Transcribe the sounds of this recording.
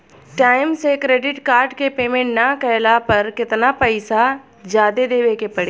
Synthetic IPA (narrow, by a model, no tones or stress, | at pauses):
ʈaːɪmsekɾeːɖɪʈkaːɾɖkepeːmẽɳʈnɐkɛjlapɐɾkɪt̪napəɪsa | d͡ʒjaːd̪ed̪eːʋekepɐɽeː